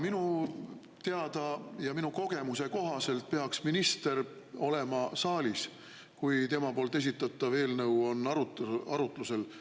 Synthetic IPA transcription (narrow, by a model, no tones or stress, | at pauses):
minu | t̪e̞ɑd̪̥ɑjɑminuko̞ɡ̥e̞muse̞ko̞ɦɑse̞lt̪̚pe̞ɑksminist̪e̞ɾ | o̞le̞mɑsɑːlʲis | kujt̪e̞mɑpo̞ːlt̪e̞s̬it̪ːˑɑt̪ːˑɑve̞ːlnɤwo̞nːɑut̪ɑɾut̪luse̞l